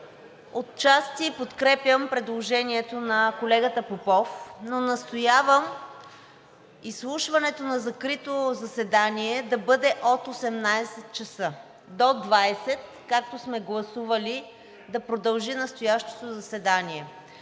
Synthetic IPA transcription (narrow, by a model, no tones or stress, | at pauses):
ot̪t͡ʃast̪ipot̪kɾɛpjəmpɾɛd̪lˠoʒɛniɛt̪onɐkolɛɡət̪əpopɔfnonɐst̪ojavəm | islˠuʃvɐnɛt̪onɐzɐkɾit̪ozɐsɛd̪aniɛd̪ɐbɤd̪ɛʔot̪osɛmnajsɛt̪̚t͡ʃɐsɤ | d̪od̪vajsɛt̪̚ | kak̚t̪osmɛɡlˠɐsuvɐli | d̪ɐpɾod̪ɐlˠʒinɐst̪ojaʃt̪o̥t̪ozɐsɛd̪aniɛ